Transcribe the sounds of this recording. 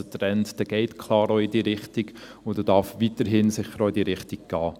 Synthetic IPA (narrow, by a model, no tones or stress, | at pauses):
ətɾɛntd̥ɛɡ̥ɛɪtkʰlɑːɾoɪdiːɾɪχtiɡ | ʊd̥ɛdɑɾfʋitəɾɦɪnsɪχːəɾoɪdiːɾɪχtiɡ̚ɡ̥ɑː